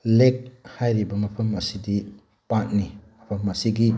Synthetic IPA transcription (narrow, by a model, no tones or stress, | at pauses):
lek̚hajɾibɐmɐpʰɐmɐsidi | pat̚nimɐpʰɐmɐsiɡi